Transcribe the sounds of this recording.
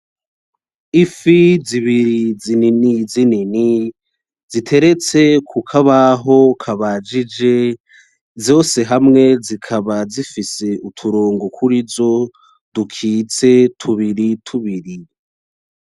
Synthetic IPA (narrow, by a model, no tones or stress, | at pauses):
ifiziβiɾizininizinini | zitʰe̞ɾe̞t͡se̞kʰukʰaβaɦo̞kʰaβad͡ʒid͡ʒe̞ | zo̞ːse̞ɦamŋe̞zikʰaβazifise̞utʰuɾoːŋɡokʰuɾizo̞ | d̥ukʰiːt͡se̞tʰuβiɾitʰuβiɾi